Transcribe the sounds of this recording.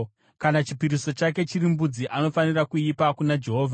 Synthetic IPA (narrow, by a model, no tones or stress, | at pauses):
kanat͡ʃipiɾiso̞t͡ʃak̬e̞t͡ʃiɾimbud͡ziʔano̞fanirakuipakunad͡ʒe̞ɦo̞ːvʱa